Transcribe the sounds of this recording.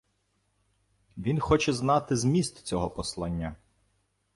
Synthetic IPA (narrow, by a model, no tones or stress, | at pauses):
ʋʲinxɔt͡ʃɛznɑt̪ɪzmʲist̪t͡sʲɔɦɔpɔslˠɑnʲːɐ